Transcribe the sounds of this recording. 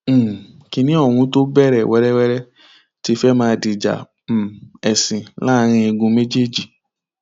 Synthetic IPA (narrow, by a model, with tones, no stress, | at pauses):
ki˧nĩ˦ɔ˦˨ɾ̃ũ˧˦to˦bɛ˦˨ɾɛ˨wɛ˨˦ɾɛ˦wɛ˦ɾɛ˦ | ti˧˦fɛ˦mãː˧di˨d͡ʒa̰˨ | m̩˨ɛ˨sĩ˨la˦˧ɾ̃ĩ˧i˧ɡũ˧˦me˦d͡ʒe˦˨d͡ʒi˦˨